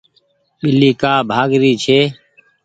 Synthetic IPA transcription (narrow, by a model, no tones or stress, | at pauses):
ɓɪliːkaːbʱaːɡɾiːt͡ʃʰeː